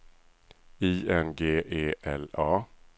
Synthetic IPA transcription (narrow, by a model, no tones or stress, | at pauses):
iːɛnɡeːʔeːʔɛlɑː